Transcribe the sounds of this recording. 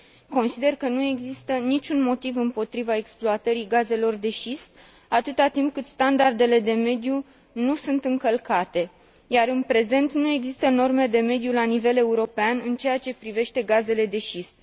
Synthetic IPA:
ko̞nsid̪e̞rkənue̞ɡzist̪ənit͡ʃʲunmo̞t̪ivɨmpo̞t̪ɾivae̞ksploat̪əɾiɡaze̞lo̞rd̪e̞ʃisp̚ | at̪ɨt̪at̪imp̚kɨt̪st̪and̪ard̪e̞le̞d̪e̞me̞d̪ju | nusunt̪ɨŋkəlkat̪e̞ | jaɾɨnpɾe̞ze̞nt̪nue̞ɡzist̪əno̞rme̞d̪e̞me̞d̪julanive̞le̞uɾo̞peanɨnt͡ʃe̞jat͡ʃe̞pɾive̞ʃt̪e̞ɡaze̞le̞d̪e̞ʃisp̚

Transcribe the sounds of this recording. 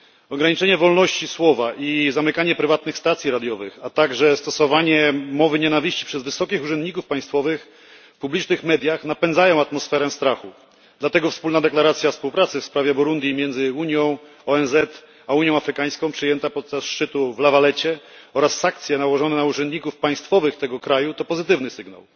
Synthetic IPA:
ɔɡɾaɲit͡ʂɛɲɛvɔlnɔɕt͡ɕiswɔvaʔizamɘkaɲɛpɾɘvat̪̚nɘxst̪at̪sʲjiɾad̪ʲjɔvɘxat̪aɡʐɛst̪ɔsɔvaɲɛmɔvɘɲɛnavʲiɕt͡ɕi̥pʂɛzvɘsɔkʲixuʐɛnd̪̚ɲikufpaj̃st̪fɔvɘx | publʲit͡ʂnɘxmɛd̪ʲjaxnapɛnd̪zajɔ̃w̃at̪mɔsfɛɾɛst̪ɾaxu | d̪lat̪ɛɡɔfspulnad̪ɛklaɾat̪sʲjafspuwpɾat̪sɘfspɾavʲjɛbuɾund̪jimʲjɛnd̪zɘuɲjɔ̃w̃ | ɔɛnzɛt̪ | auɲjɔ̃afɾɘkaj̃skɔ̃pʂɘjɛnt̪apɔt̪̚t͡ʂasʂt͡ʂɘt̪uvlavalɛt͡ɕɛɔɾasːãŋk̚t̪sʲjɛnawɔʐɔnɛnauʐɛnd̪ɲikufpaj̃st̪fɔvɘxt̪ɛɡɔkɾajut̪ɔpɔzɘt̪ɘvnɘsɘɡna̰w

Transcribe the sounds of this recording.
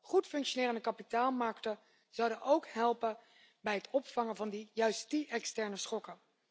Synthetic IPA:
χutfɵŋkʃonɪːrəndəkɑpitaːlˠmɑɹktə | z̥ɑwdənʔowkɦɛlˠpə | bɛjɦətɔpfɑŋəvɑndijœɥstiʔɛkstɛɹnəsχɔkə

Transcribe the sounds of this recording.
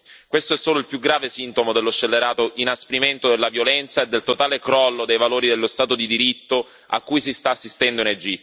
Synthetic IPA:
kwest̪oɛsːoːloilpjuɡɾaːvesint̪omod̪elːost͡ʃːelːeɾaːt̪oʔinaspɾiment̪od̪elːavjolɛnt̪saed̪ːelt̪ot̪aːlekɾɔlːod̪ejvaloːɾid̪elːost̪aːt̪od̪id̪iɾit̪ːo | a̰kːujsist̪aːsːist̪ɛnd̪oined͡ʒi

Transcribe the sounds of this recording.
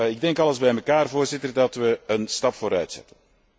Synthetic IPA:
ɪɡ̚dɛŋkɑləzbɛjməkaːrvoːrzɪtərdɑtʋəənstɑpfoːɾœɥtsɛ̰tən

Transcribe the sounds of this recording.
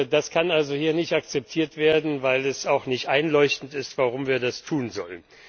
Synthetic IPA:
daskʰanʔalzohiːɐnɪçtakt͡sɛp̚tʰiːɐtv̥eːɐdn̩vaɪlɛsaʊxnɪçtʔaɪnlɔʏçtn̩tɪstv̥aʁʊmviːɐdastʰuːnzɔ̰lən

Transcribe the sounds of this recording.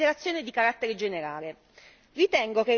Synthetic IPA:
eɾat̪sːjoːned̪ikaɾat̪ːeɾed͡ʒeneɾaːle | rit̪ɛŋɡoke

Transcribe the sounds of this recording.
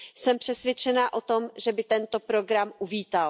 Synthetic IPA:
sɛmpr̝̥ɛsvjɛt͡ʃɛnaːʔo̞t̪o̞mʒɛbɪt̪ɛnt̪opɾo̞ɡɾamʔuviːt̪al

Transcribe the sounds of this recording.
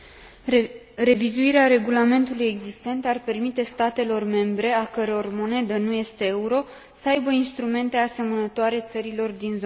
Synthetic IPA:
re̞vizuiɾeaɾe̞ɡulame̞nt̪uluje̞ɡzist̪e̞nt̪arpe̞rmit̪e̞st̪at̪e̞lo̞rme̞mbɾe̞akəɾo̞rmo̞ne̞d̪ənuje̞st̪e̞euɾo̞ | səajbəinst̪ɾume̞nt̪e̞ase̞mənət̪oaɾe̞t̪səɾilo̞rd̪inzo

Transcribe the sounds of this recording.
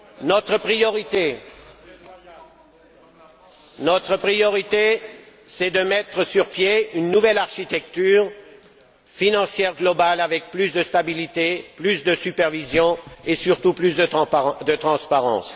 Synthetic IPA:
nɔt̪χəpχijɔʁit̪e | nɔt̪χəpχijɔʁit̪e | sɛd̪əmɛt̪χəsyʁpjeynːuvɛlaʁʃit̪ɛk̚t̪yːʁ | finɑ̃sjɛʁɡlɔbalavɛk̚plysd̪əst̪abilit̪eplysd̪əsypɛʁvizjɔ̃esyʁt̪uplysd̪əd̪ət̪χɑ̃spaʁɑ̰̃s

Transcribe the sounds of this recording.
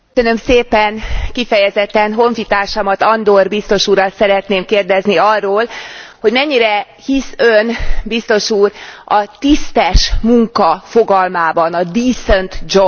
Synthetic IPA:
øønø̞mseːpɛnkifɛjɛzɛt̪ːɛnɦo̞ɱfit̪aːrʃɒmɒt̪ɒnd̪orbist̪o̞ʃuːɾɒt̪sɛɾɛt̪neːmkeːrd̪ɛzniɒrːoːlho̞ɟmɛɲːiɾɛ | hisønbist̪o̞ʃuːrɒt̪ist̪ɛʃmuŋkɒfo̞ɡɒlmaːbɒnɒd̪iːsønt̪d͡ʒo

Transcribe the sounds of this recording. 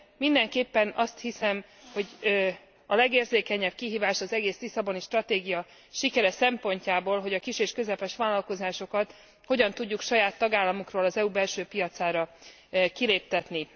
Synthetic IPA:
mind̪ɛŋkeːpːɛnɒst̪hisɛm | ho̞ɟ | ɒlɛɡeːrzeːkɛɲɛb̥kiɦiːvaːʃɒzɛɡeːslisɒbo̞niʃt̪rɒt̪eːɡijɒ | ʃikɛɾɛsɛmpo̞ɲcaːboːlɦo̞ɟɒkiʃeːʃkø̞zɛpɛʃʋaːlːɒlko̞zaːʃo̞kɒt̪ | ho̞ɟɒnt̪uɟːukʃɒjaːt̪ːɒɡaːlːɒmokroːlɒzɛubɛlʃøːpijɒt̪saːɾɒ | kileːp̚t̪ɛt̪ni

